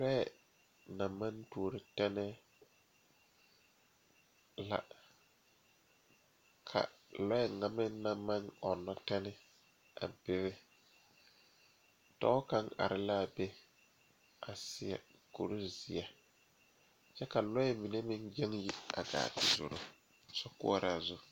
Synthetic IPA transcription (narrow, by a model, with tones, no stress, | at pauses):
lɔ˦ɛ˨ | na˨mːã˦ntu˨ɾɪ˨tɛ˦nɛ˦ | la̰˨ | kʰa̰˨lɔ˦ɛ˨ŋa˨mɪ˦na˨mːa˦ŋɔ˨nːɔ˦tɛ˦nɪ˦ | a̰˨bɪ˦βɪ˦ | tɔ̰˦ka˦ŋa̰˨ɾɪ˦la˦˨be˦ | a˨sɪ˨ɛ̰˨ | ko̰˨ɾi˦zɪ˨a˨ | t͡ʃɛ˦ka˨lɔ˦jɛ˦mi˨ne˦mɪ˦ŋd͡ʒɛ˦ŋji˦a̰˨ɡa̰ː˨tɪ˦zʊ̰˨ɾʊ˦ | sɔ˦kʊ̰˦ɔ˦ɾa˨zʊ˦